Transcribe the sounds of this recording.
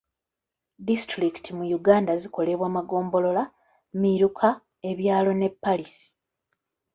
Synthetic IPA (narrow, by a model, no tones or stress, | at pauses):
distɾikitʰimujuɡaːndaziko̞le̞βwaːmaɡo̞ːmbo̞lo̞la | miɾukʰa | eβjaːlo̞ne̞pːalisi̥